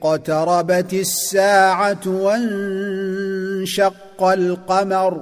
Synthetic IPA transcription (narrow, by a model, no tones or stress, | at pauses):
qɑt̪ɑɾˤɑbat̪ɪsːaːʕawan | ʃɑqːɑlqɑmaɾˤ